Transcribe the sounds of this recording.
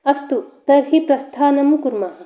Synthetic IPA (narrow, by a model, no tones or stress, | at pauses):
ɐst̪ut̪ɐɾɦipɾɐst̪ʰaːnɐmukuɾma